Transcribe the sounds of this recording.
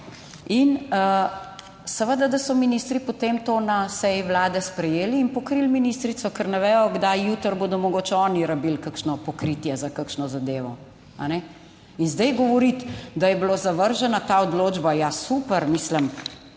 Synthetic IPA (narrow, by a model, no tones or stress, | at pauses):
inə | sɛʋəd̪ad̪ɐsɔminist̪ɾipot̪emt̪onasɛjiʋlaːd̪ɛspɾɛjeːliːnpɔkɾilminist̪ɾit̪sɔkəɾnɛʋɛːjɔɡd̪ajjut̪əɾboːd̪ɔmɔɡoːt͡ʃɔːniɾabilkakʃnɔpɔkɾit̪jɛzakakʃnɔzad̪eːʋɔ | a̰nɛ | inzd̪ɛjɡɔʋɔɾit̪d̪ajɛblozaʋəɾʒɛnat̪aɔd̪loːd͡ʒbajasupəɾmisləm